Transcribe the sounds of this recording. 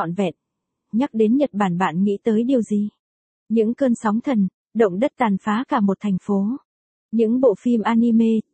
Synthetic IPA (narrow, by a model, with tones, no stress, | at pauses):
ɔ̰˧˨nvɛ̰˧˨n̚ | ɲa˦˥k̚ɗe˨˦nɲə˨˩t̚ɓaː˧˩nɓa̰ː˧˨nŋḭ˧˥t̪əː˨˦jɗi˨˩əwzi˧ | ɲɨ̰˧˥ŋkəː˧nsa˨˦wŋ͡mt̪ʰə˨˩n | ɗə̰˧˨wŋ͡mɗə˦˥t̚t̪aː˨˩nfaː˨˦kaː˧˩mo˨˩t̚t̪ʰɛ˨˩jŋ̟fo˨˦ | ɲɨ̰˧˥ŋɓo̰˧˨fi˧mʔaː˧ni˧me˧